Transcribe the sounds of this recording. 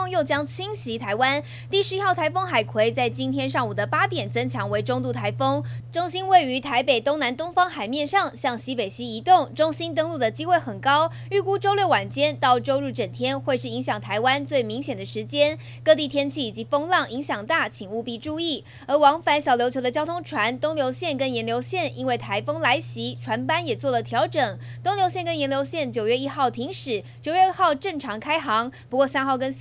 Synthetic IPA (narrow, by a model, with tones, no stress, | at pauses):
ŋjo˥˩ʊt͡ɕjɑ˥ŋt͡ɕʰi˥ŋɕi˧˥t̪ʰa˧˥ɪwa˥n | t̪i˥˩ʂɻ̩˧i˥xɑ˥˩ʊt̪ʰa˧˥ɪfɤ˥ŋxa˨˩ɪkʰwe˧˥ɪt͡sa˥˩ɪt͡ɕi˥nt̪ʰjɛ˥nʂɑ˥˩ŋu˨˩d̪ə˩pa˥t̪jɛ˨˩nt͡sɤ˥ŋt͡ɕʰjɑ˧˥ŋwe˧˥ɪʈ͡ʂʊ˥ŋt̪u˥˩t̪ʰa˧˥ɪfɤ˥ŋʈ͡ʂʊ˥ŋɕi˥nwe˥˩ɪy˧˥t̪ʰa˧˥ɪpe˨˩ɪt̪ʊ˥ŋna˧˥nt̪ʊ˥ŋfɑ˥ŋxa˨˩ɪmjɛ˥˧nʂɑ˥˧ŋɕjɑ˥˩ŋɕi˧˥pe˨˩ɪɕi˥i˧˥t̪ʊ˥˩ŋʈ͡ʂʊ˥ŋɕi˥nt̪ɤ˥ŋlu˥˩d̪ə˩t͡ɕi˥xwe˥˩ɪxə˨˩nkɑ˥ʊ | y˥˩ku˥ʈ͡ʂo˥ʊljɛ˥˩wa˨˩nt͡ɕjɛ˥nt̪ɑ˥˩ʊʈ͡ʂo˥ʊɻu˥˩ʈ͡ʂə˨˩nt̪ʰjɛ˥nxwe˥˧ɪʂɻ̩˥˩i˧˥ŋɕjɑ˨˩ŋt̪ʰa˧˥ɪwa˥nt͡swe˥˩ɪmi˧˥ŋɕjɛ˨˩nd̪ə˦ʂɻ̩˧˥t͡ɕjɛ˥n | kɤ˥˧t̪i˥˩t̪ʰjɛ˥nt͡ɕʰi˥˩i˨˩t͡ɕi˧˥fɤ˥ŋlɑ˥˩ŋi˧˥ŋɕjɑ˨˩ŋt̪a˥˩t͡ɕʰi˨˩ŋu˥˧pi˥˧ʈ͡ʂu˥˧i˥˩ | ə˞˧˥wɑ˧˥ŋfa˧˥nɕjɑ˨˩ʊljo˧˥t͡ɕʰjo˧˥ʊd̪ə˧t͡ɕjɑ˥ʊt̪ʰʊ˥ŋʈ͡ʂʰwa˧˥nt̪ʊ˥ŋljo˧˥ʊɕjɛ˥˩nkə˦˥njɛ˧˥nljo˧˥ʊɕjɛ˥˩nʔḭ˥nwe˥˩ɪt̪ʰa˧˥ɪfɤ˥ŋla˧˥ɪɕi˧˥ʈ͡ʂʰwa˧˥npa˥njɛ˨˩t͡swɔ˥˩lə˩t̪ʰjɑ˧˥ʊʈ͡ʂɤ˨˩ŋ | t̪ʊ˥ŋljo˧˥ʊɕjɛ˥˩nkə˥njɛ˧˥nljo˧ʊɕjɛ˥˩nt͡ɕjo˨˩ʊɥɛ˥˧˩i˥xɑ˥˩ʊt̪ʰi˧˥ŋʂɻ̩˨˩˦t͡ɕjo˨˩ʊɥɛ˥˧ə˥˧xɑ˥˧ʊʈ͡ʂɤ˥˩ŋʈ͡ʂʰɑ˧˥ŋkʰa˥ɪxɑ˧˥ŋpu˧˥kwɔ˥˩sa˥nxɑ˥˩ʊkə˥n